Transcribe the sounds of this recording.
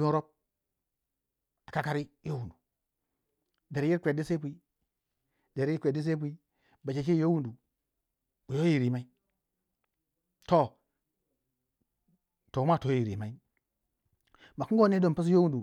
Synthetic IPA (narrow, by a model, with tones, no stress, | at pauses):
bi˦nɾo˦p̚ | a˨ka˦ka˦ɾi˦jo˦wu˨du˨ | de˨ɾji˦ɾkʷe˨di˦se˦p̬u˨i˦ | de˨ɾji˦kʷe˨di˦s̬e˦p̬u˦i˦ | ba˨t͡ʃe˨t͡ʃi˦jo˦wu˦ndu˨ | u˨jo˦i˨ɾi˨ma˦i˦ | to˦˨ | to˨˦ma˦˨to˨˦ji˨ɾḭ˨ma˦i˦ | ma˨ki˦ɡo˦ne˦do˨m˨pi˦s̬jo˦wu˦ndu˨